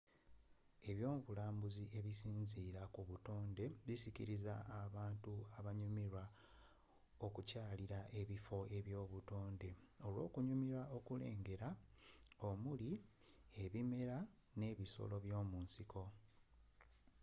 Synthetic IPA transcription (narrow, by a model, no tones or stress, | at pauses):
e̞βjo̞ːmuβulaːmbuziʔe̞βisiːnziːɾakuβuto̞ːnde̞βisiciɾizaːβaːntuaβaɲumiɾa | okucaːliɾaʔe̞βifo̞e̞βjo̞ːβuto̞ːnde̞o̞lwo̞̰ːkuɲumiɾao̞kule̞̰ːŋɡe̞ɾa | o̞muli | e̞βime̞ɾa | ne̞βiso̰lo̞βjo̞ːmuːnsiko̞